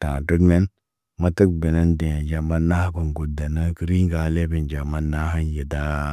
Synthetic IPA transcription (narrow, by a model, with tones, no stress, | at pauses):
ta˨tə˦ɡne˦n | ma˦tə˦k̚be˨ne˦nde˨ja˨d͡ʒa˨ma˦na˦hko˨nɡu˨da˨na˦ki˦ɾi˦ŋɡa˦le˦bi˨nd͡ʒa˨ma˦na˦ɦa˦nje˨da˦